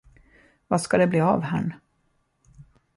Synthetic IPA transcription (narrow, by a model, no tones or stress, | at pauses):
vaskad̪ɛbliːa̰ːvha̰ɳ